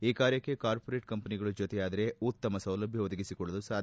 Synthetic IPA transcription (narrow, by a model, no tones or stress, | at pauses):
iːkaːɾjɐkːe̞kaːɾpoɾe̞ːʈ̚kɐmpɐniɡɐɭud͡ʒot̪ejaːd̪ɐɾe̞ut̪ːɐmɐsɐwlɐbʱjɐʋod̪ɐɡisikɔɭːɐd̪usaːd̪